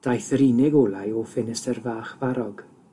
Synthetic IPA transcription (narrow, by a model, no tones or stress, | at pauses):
d̥ajθəɾinɪɡoːlˠajɔfɪnɪstərvaːχv̥aɾɔɡ̥